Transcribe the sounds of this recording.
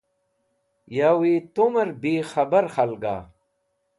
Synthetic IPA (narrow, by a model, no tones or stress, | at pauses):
jawiːt̪umɐɾbiːxɐbɐɾxɐlɡa̰ː